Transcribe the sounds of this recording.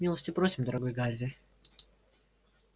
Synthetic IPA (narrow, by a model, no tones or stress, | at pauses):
mʲilˠəsʲtʲɪpɾosʲɪmd̪əɾɐɡo̞jɡazʲdʲɪ